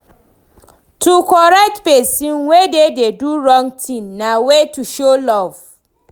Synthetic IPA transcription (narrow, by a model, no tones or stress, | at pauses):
tʰukɔɹɛk̚tpesĩnwedededuɹɔ̃ŋɡtʰĩnnawetuʃolɔv̥